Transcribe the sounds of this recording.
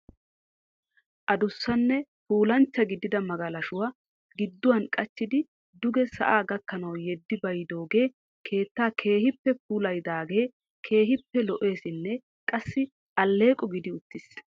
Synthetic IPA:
ʔɐd̪ʊsːɐnːɛpuːlɐnt͡ʃːɐɡɪd̪ɪd̪ɐmɐɡɐlɐʃʊwaː | ɡɪd̪ːʊwɐnkʼɐt͡ʃːɪd̪ɪ | d̪ʊɡɛsɐ̰ʔaːɡɐkːɐnɐwjɛd̪ːɪbɐjd̪o̞ːɡe̞ː | kʰe̞ːt̪ːaːkʰe̞ːhɪpːɛpuːlɐjd̪aːɡe̞ː | kʰe̞ːɦɪpːɛlɔʔe̞ːsɪnːɛ | kʼɐsːɪ | ʔɐlːe̞ːkʼɔɡɪd̪ɪʊt̪ːɪs

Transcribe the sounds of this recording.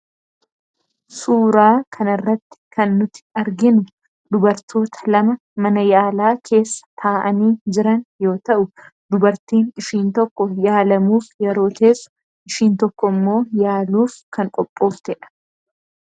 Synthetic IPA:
suːɾaːkʰɐnɐrːɐt̪ːɪ̥kʰɐnːʊt̪ɪ̥ɐɾɡɪnʊ | d̪ʊbɐɾt̪ʰo̞ːt̪ʰɐ̥lɐmɐ | mɐnɐjaːlaːkʰe̞ːsːɐ̥t̪ʰaːʔɐniːd͡ʒɪɾɐnjo̞ːt̪ɐʔʊ | d̪ʊbɐɾt̪iːnɪʃiːnt̪ɔkːɔjaːlɐmuːfjɛɾo̞ːt̪e̞ːsːʊ̥ | ʔɪʃiːnt̪ɔkːɔmːo̞ːjaːluːfkʰɐŋkʼɔpʼːoːft̪ɛᶑɐ̥

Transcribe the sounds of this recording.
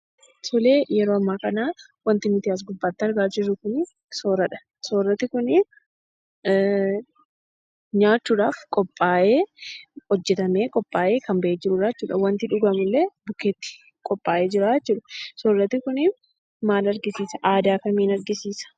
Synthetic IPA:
sɔleːjɛɾoːɐmːaːkɐnaːwɐnt̪ɪmɪt̪ɪɐs̬ɡʊbːaːt̪ːɪɐɾɡaːd͡ʒɪrːʊkʊn | soːɾɐᶑɐ̥ | soːrːɐt̪ːɪkʊnɪn | ɲaːt͡ʃːuːᶑaːfkʼɔpʼːaːʔeːhɔd͡ʒːɛt̪ɐmeːkʼɔpʼːaːʔeːkɐmbɐʔeːd͡ʒɪɾʊːᶑaːt͡ʃːuːᶑɐwɐnt̪ɪᶑʊɡɐmʊlːebʊkeːt̪ːɪ̥ | kʼɔpʼːaːʔeːd͡ʒɪɾaːɛt͡ʃːuːᶑɐsoːrːɐt̪ːɪkʊnɪn | maːlɐɾɡɪsiːsɐʔaːd̪aːkɐmiːnɐɾɡɪsiːsɐ̥

